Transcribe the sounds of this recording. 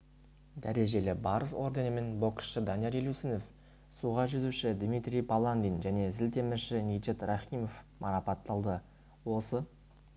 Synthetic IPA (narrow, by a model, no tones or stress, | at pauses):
d̪æɾe̞ʒe̞lɪbɑɾəso̞ɾd̪e̞nəme̞nbo̞ksʃəd̪ɑnijeɾelʲusinef | suʁɑʒʏzuʃɪd̪mit̪ɾʲijpʰalˠand̪inʒæne̞zɪlt̪e̞mɪʃɪnit͡ʃet̪rɑχijmo̞fmʔɑɾɑpɑt̪ːɑlˠd̪ə | wo̞sə